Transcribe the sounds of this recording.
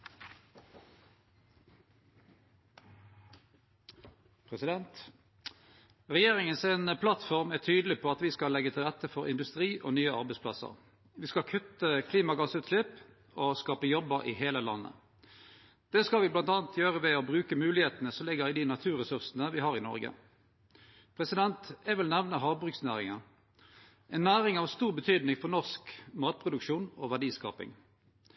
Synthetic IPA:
pʰʁɛsɪd̪ɛnt̪ | ʁɛjeːʁɪŋənsɛenpʰlɑt̪fɔʁmæʁt̪ʰyːd̪lɪpʰoːɑt̪ʋɪskɑlɛɡːət̪ʰɪlʁɛt̪ːəfɔʁɪ̰nd̪ʉst̪ʁiːʔo̰nyːəɑʁbɛɪspʰlɑ̰sə̰ʁ | ʋiːskɑlkʰʉt̪ːəkʰliːmɑɡɑsʉːt̪slɪp | oːskɑːpəjɔbəʁʔɪ̰heːləlɑ̰nːə̰ | d̪̥ɛskɑlʋɪblɑnt̪ɑːnt̪ʰjøːʁəʋɛɔbʁʉːkəmʉːlɪheːt̪ənəsɔmlɪɡːəʁɪd̪ɪnɑt̪ʰʉːʁɛsʉʁsənəʋɪhɑʁɪnɔ̰ʁɡə̰ | pʰʁɛsɪd̪ɛnt̪ɛʋɪlnæʋnəɦɑːʋbʁʉksnæːʁɪŋə | ʔɛnːæːʁɪŋɑʋst̪uːʁbət̪ʰyːd̪nɪŋfɔʁnɔʁskmɑːt̪̚pʰʁʊd̪ʉkʃuːnoːʋæʁɖiːskɑ̰ːpɪ̰ŋ

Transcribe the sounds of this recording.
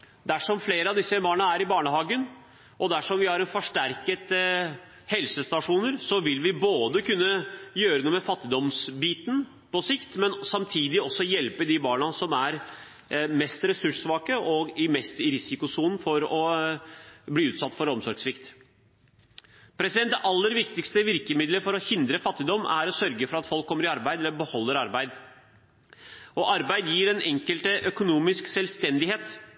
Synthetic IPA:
d̪æʂɔmfleːɾəɑʋd̪ɪsːəbɑːɳəæɾɪbɑːɳəɦɑːɡən | ʔɔd̪æʂɔmʋɪhɑɾɛnfɔʂʈæɾkət̪ | hɛlsəst̪ɑʂuːnəɾsɔʋɪlʋɪboːd̪əkʉnːəjøːɾənuːəmɛfɑt̪ːɪd̪ɔmsbiːt̪n̩ | pɔsɪkt̪mɛnsɑmt̪ʰiːd̪ɪɔsːɔjɛlpəd̪ibɑːɳəsɔmæɾ | mɛst̪ɾɛsʉʂʋɑːkəʔɔɡɪmɛst̪ɪɾɪsɪkʊsuːnn̩fɔɾɔ | bliːʉːt̪sɑt̪ːfɔɾɔmsɔɾɡsʋɪkt̪ | pʰɾɛsɪd̪ɛnt̪ːʔɑlːəɾʋɪkt̪ɪkst̪əʋɪɾkəmɪd̪ləfɔɾɔhɪnd̪ɾəfɑt̪ːɪd̪ɔmʔæ̰ɾɔsœɾɡəfɔɾɑt̪fɔlkʰːɔmːəɾɪɑɾbæɪɛlːəbəhɔlːəɾɑɾbæɪd̪ | ɔʔɑɾbæɪd̪jiːɾɛnʔɛŋkəlt̪əʔœkʊnuːmɪsksɛlst̪ɛnd̪ɪheːt̪

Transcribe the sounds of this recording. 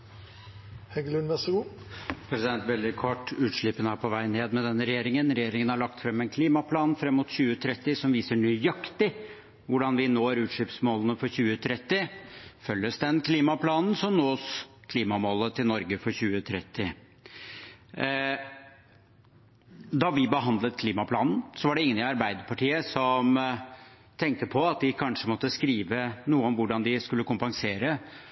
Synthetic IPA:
hɛɡlʉnʋɛsɡuː | pʰɾɛsɪd̪ɛnt̪ʋɛld̪ɪkʰɔʈːʉːt̪ʂɭɪpːənəæɾpʰɔʋæɪneːd̪mɛd̪ɛnːəɾɛjeːɾɪŋənɾɛjeːɾɪŋənhɑɭɑk̚t̪fɾɛmːɛnkʰliːmɑpʰlɑːnfɾɛmːʊt̪çʉːət̪ʰɾɛt̪ːɪsɔmʋiːsəɳyːjɑkt̪ɪ | ʋʊɖɑnʋɪnoːɾʉːt̪ʂɭɪpsmoːlənəfɔɾçʉːət̪ʰɾɛt̪ːɪfœlːəsd̪ɛnkʰliːmɑpʰlɑːnn̩sɔmnoːskʰliːmɑmoːlət̪ʰɪlnɔɾɡəfɔɾçʉːət̪ʰɾɛt̪ːɪ | d̪ɑʋɪbəɦɑnd̪lət̪̚kʰliːmɑpʰlɑːnn̩sɔʋɑɖɛɪŋːənɪɑɾbæɪd̪əɾpʰɑʈiːəsɔm | t̪ʰɛŋk̚t̪əpʰɔɑt̪̚d̪ɪkʰɑnʂəmɔt̪ːəskɾiːʋənuːəɔmʋʊɖɑnd̪ɪskʉlːəkʊmpɑŋseːɾə

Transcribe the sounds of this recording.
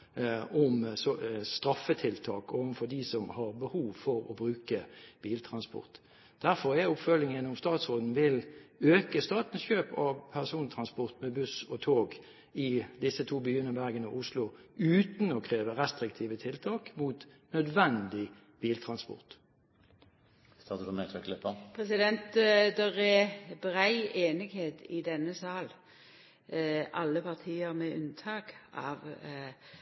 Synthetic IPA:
ɔmsɔst̪ɾɑfət̪ʰɪlt̪ʰɑːkoːʋənfɔd̪isɔmhɑʁbəhuːʋfɔɾɔ̰bʁʉːkəb̥iːlt̪ʰʁɑnspɔ̰ʁt̪ | d̪̥æʁfɔʁɛʊpfœlɪŋənʊmst̪ɑːt̪sʁoːd̪n̩ʋɪløːkəst̪ɑːt̪n̩sçøːpɑʋpʰæʁsuːnt̪ʰʁɑnspɔʁt̪mɛbʉsɔt̪ʰoːɡ | ɪd̪ɪsːət̪ʰuːbyːənəbæʁɡənəʔʊslʊʉːt̪nɔkʰʁeːʋəʁɛst̪ʁɪk̚t̪ʰiːʋət̪ʰɪlt̪ʰɑːkmuːt̪nœd̪ʋɛnd̪ɪ | b̥iːlt̪ʰʁɑnspɔ̰ʁt̪ | st̪ɑːʁt̪əd̪əmɛt̪ʰɛklepəpʰʁɛsɪd̪ɛnt̪d̪ɛʁɛbʁæɪeːnɪɡheːt̪ɪd̪ɛnːəsɑːl | ʔɑlːəpʰɑʁt̪ʰiːəʁmɛʔʉ̰nt̪ʰɑːkʔɑ̰ːʋ

